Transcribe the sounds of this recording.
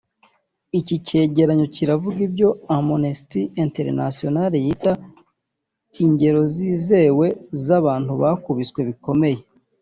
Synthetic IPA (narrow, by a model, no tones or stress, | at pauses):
icice̞ːɟe̞ɾaɲo̞ciɾavuɡibɟo̞amonisi̥tienteɾnasio̞naɾejita | iɲɟe̞ɾo̞ziːze̞we̞zaβaːn̥huβakuβit͡skwe̞βiko̞me̞je̞